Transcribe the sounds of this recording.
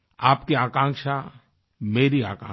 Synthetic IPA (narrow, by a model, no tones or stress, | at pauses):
aːpkiaːkãːŋkʃa | meːɾiaːkã̰ː